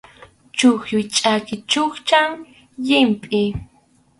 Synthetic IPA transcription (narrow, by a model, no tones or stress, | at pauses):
t͡ʃʊxjʊjt͡ʃʼakɪt͡ʃʊχt͡ʃaŋ | jɪmpʼɪ